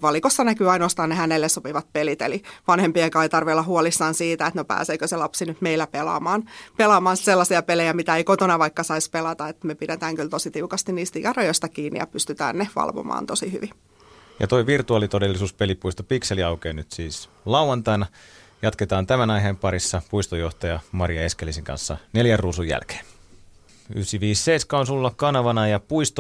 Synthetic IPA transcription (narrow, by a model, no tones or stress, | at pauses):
ʋɑlikosːɑnækyɑinoɑst̪ɑːnnehænelːessopiʋɑt̪̚pelit̪ḛliʋɑnhempiekɑit̪ɑrʋelːɑhuolisːɑːnsiːt̪æet̪nopæ̰ːseːkøselɑpsinyt̪meilːæpelɑ̰ːmɑːnpelɑmɑːnsselːɑsiɑpelejæmit̪æeikot̪onɑʋɑikːɑsɑispelɑt̪ɑet̪mepidet̪æːŋkylt̪osit̪iukɑst̪iniːst̪ijɑrɑjost̪ɑkiːnːḭjɑ̰pyst̪yt̪æ̰ːnneʋɑ̰lʋo̰mɑ̰ːnt̪osihy̰ʋi | jɑ̰t̪o̞jʋirt̪uɑːlit̪odelːisuːspelipuist̪opikseliɑukeːnyt̪siːs | lɑwˑɑnt̪ɑinɑ | jɑt̪ket̪ɑːnt̪æmænɑjɦempɑɾisːɑpuist̪ojoht̪ɑjɑmɑrijɑeskelisiŋkɑ̰nsːɑ̰neljærruːsujæ̰lke̥ːn | y̰hsiʋiːsːeiskɑonsulːɑkkɑnɑʋɑnɑjɑpuist̪o